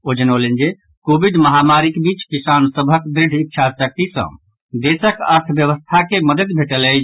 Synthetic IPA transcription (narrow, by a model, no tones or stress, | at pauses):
od͡ʒənolənd͡ʒe | kobiɖməɦamaɾikbit͡ʃkisansəbʱəkd̪ɾiɖ̤ʱikːt͡ʃʰasək̚t̪isə̰̃ | d̪esəkə̰ɾt̪ʰbjəʋəst̪ʰakeməd̪əd̪bʱeʈəle